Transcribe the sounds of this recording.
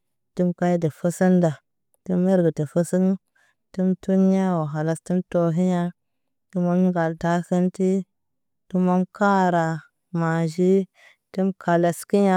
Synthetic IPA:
ti˦mka˦i˦də˨fə˦sə˦nda˨ | ti˦mə˦ɾɡə˨ti˨fə˦si˦k | ti˦mtu˦n˦ja˦wo˨ɦa˨la˨sti˦mto˨ɦi˦ɲa˦ | ti˦ma˦m˦ɡa˨lta˨˦kə˦nti˦ | tu˦ma˦mka˦ɾa˨ | ma˨ʒi˦ | ti˦mkʰa˨la˨ski˦ɲa˦

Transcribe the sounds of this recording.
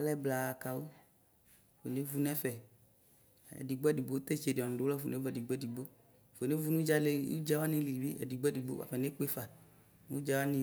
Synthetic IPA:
a˨lɛ˦bla˨ka˨wo˦ | fe˨ne˦vu˦nɛ̃˦fɛ˨ | ɛ̰˨di˨ɡ͡bo˦ɛ˦˨di˨ɡ͡bo˦t̪e˦t͡ʃe˨dɔ˨ñ˨ɖla˦fo̰˨nẽ˨˦vu˦ɛ˨di˨ɡ͡bo˦ɛ˦di˨ɡ͡bo˦˨ | fe˨ne˦vu˦nũ˦d͡ʒa˦le˨ṵ˦d͡ʒa˦wa˦nĩ˦li˨bi˦ɛ̰˨di˨ɡ͡bɛ˦di˨ɡ͡bo̰˦a̰˨fɛ˨ne˦k͡pe˦fa˨ | nũ˦d͡ʒa˦wa˦nĩ˦

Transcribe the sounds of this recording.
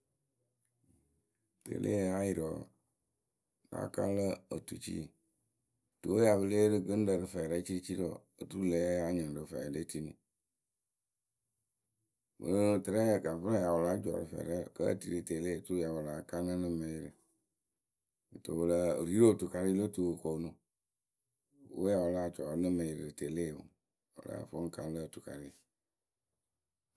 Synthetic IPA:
tḛ˨lʔḛ˦˨a˦ji˨ɾɔ̰˨ | la̰˨ka̰˦lə˦ə˨tṵ˨t͡ʃḭ˦˨ | to˨˦o˦ja˨bɨ˧le˦ɾɨ˨ɡɨ˦n˦də˨ɾɨ˨fɛ˨ɾə˦t͡ʃi˦t͡ʃi˦dɔ˨ | ə˨tu˦u˦lɛː˨˦a˨ɲɨ̃˨ŋ˨ɾɨ˨fɛ̰˨de˦ti˦nḭ̃˨ | o̰˨˦tɾɛ˦˨ka˨fã˦ja˨wo˨la˦d͡ʒɔ̰˨ɾə̰˨fɛ̰˨ɾə˦˨kə̰˦˨ti˨ɾi˨te˨le˦˨˦t̪u˦ja˨wo˨la˨˦ka˦nə̃˦nə˦mẽ˨ji˦ɾə˨ | to̰˨wo˨lə˦˨ɾi˦ɾo˦˨tu˨ka˨ɾi˦lo˦tu˨o˨ko˨˦nõ˨ | wo̰˦ja˨wo˨la˦˨t͡ʃɔ˨˦nɨ˦mẽ˨ji˨ɾe˨te˨le˦˨o̰˨ | wo̰˨˦la̰˦˨fo˦ŋ̩˦ka˨˦lə˦˨tu˨ka̰˨ɾi˦˨

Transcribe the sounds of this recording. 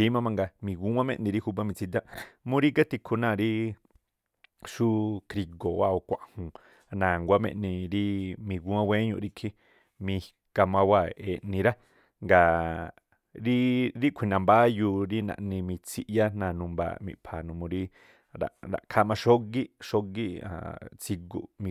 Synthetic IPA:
i˦mã˧mã˧ŋɡa˧mĩ˧˨ɡũ˦ã˦mḛ̃˧ʔnĩ˧ɾi˦hu˧b̬a˦mĩ˧t͡si˧d̪a˦mũ˧ɾi˦ka˦t̪i˧kʰu˧nã˦˨ɾi˦ | ʃu˦kɾi˧ɡo˨wa˦˨o˧˨kʷã̰˨hũ˨ | nã˨ŋɡʷa˦mḛ̃˧˨ʔnĩ˧ɾi˦mĩ˧ɡũ˧˦ã˦˧wẽ˦ɲṵ̃˧ɾi˦˧kʰĩ˦ | mĩ˧ | ka˧mã˧wa˦˨e˨ʔnĩ˧ɾa˦ | ŋɡa˨ | ɾi˦ɾi˦ʔkʷʰi˧nã˨mba˦ju˧ɾi˦nã̰˨ʔnĩ˧mĩ˧t͡sʰi˧ʔja˦nã˨nũ˧mba̰ː˧mḭ̃˧ʔpʰa˨nũ˧mũ˧ɾi˦ | ɾa̰˨ʔɾa̰˨ʔkʰa˦˧mã˧ʃo˦ɡi˦ʔʃo˧˦ɡi˦ʔa̰˨t͡sʰi˧ɡṵ˧mĩ˧

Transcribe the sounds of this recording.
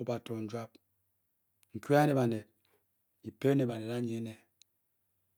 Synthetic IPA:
o˦ba˨tɔ˨n̩˨d͡ʒwa˦p̚ | ŋ̩˨kwa˦ne˨ba˨ne˨t̚ | i˨pe˦ne˨ba˨ne˨ta˦ɲe˦ne˦

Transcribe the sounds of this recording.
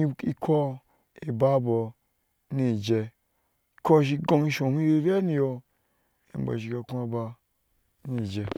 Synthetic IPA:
i˦kʰo˦ | i˨ba˦bo˨ | ni˦˨d͡ʒe˧˨ | ko˦ʃ̬i˧ɡo˦ŋi˦ʃo˨hʷu˦i˦ɾa˦ni˨jo˧ | ḭ˨m˦ba̰˨ʃ̬i˨ɡa˨ku˦a˨ba˧ | ni˦˨d͡ʒe˨

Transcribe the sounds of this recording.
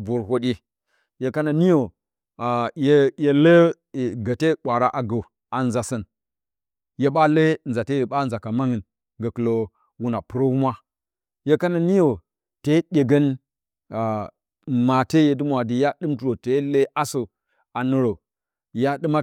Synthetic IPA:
bo˨ɾɦo˦ɗi˦ | je˨ka˦na˨ni˦jo˨ | je˦je˨lə˦˨ | ɡa˨te˦ɓʷa˨ɾa˦ʔa˨ɡə˨ | a˨n˦za˨sɐ˦n | je˦ɓa˦le˦nza˨te˦je˨ɓa˦nza˨ka˨ma˦ŋɨ˨n | ɡə˨kɨ˨lo˨ | wu˦na˨pɨ˦ɾo˦hu˦mʷa˦ | je˦ka˦na˨ni˦jo˨ | te˦ɗʲe˨ɡə˦n | a˨ | ma˨te˦je˨dɨ˦mʷ˨a˨di˨ja˦ɗɨ˦mtu˦ɾo˨te˨˦le˦a˦so˨ | a˨nɨ˦ɾo˨ | ja˦ɗɨ˦ma˦

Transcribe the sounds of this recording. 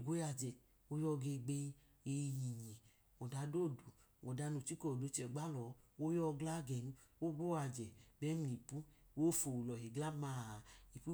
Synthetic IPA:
ɡo˦a˧d͡ʒɛ˨ | wo˦jɔ˧ɡe˧ɡ͡be˧˦ | e˧ji˨ɲi˨ | ŋɔ˨da˨˦do˦˨du˨ | ŋɔ˨da˧no˨t͡ʃi˦kɔ˨do˨˦t͡ʃɛ˨ɡ͡ba˦lɔ˨˦wo˦jɔ˦˧ɡla˦ɡɛ˨nu˧ | wo˦ɡo˦a˧˨d͡ʒɛ˨bɛ˦m˨i˨pu˦wo˦fo˨u˨lɔ˨he˨ɡla˦ma˧˨i˨pu˦

